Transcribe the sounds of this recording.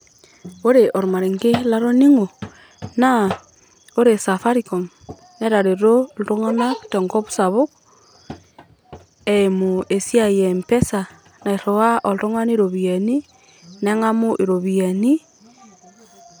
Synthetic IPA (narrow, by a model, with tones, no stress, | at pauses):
o˦ɾe˨ʔo˨ɾu˨ma˨ɾe˨ŋɡe˦la˦ɾo˦ni˦ŋo˨ | na˦ | o˦ɾe˨sa˨fa˦ɾiko˨m | ne˦ɾa˨ɾe˨ɾo˦lɾo˦ŋo˦nḁ˦te˨ŋɡo˦βu̥˦sa˨βo˦k | emo˨e˨sja˦jempe˦sa | na˨i˨ɾo˨wa˦ʔo˨lɾo˦ŋa˦ne˦ɾo˨βia˨ni˦ | ne˦ŋa˦mo˦ʔi˨ɾo˨βiani˦